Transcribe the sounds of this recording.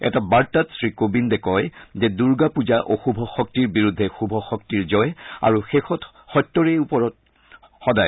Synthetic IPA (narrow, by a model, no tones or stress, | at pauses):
ɛ̰tabaɹtatsɹikobindɛkɔjzɛduɹɡapuzaʔoxubʱɔxɔk̚tiɹbiɹudʱːɛxubʱɔxɔk̚tiɹzɔja̰ɹuxexɔt | xɔtːɔɹejupɔɹɔt̚ | xɔdaj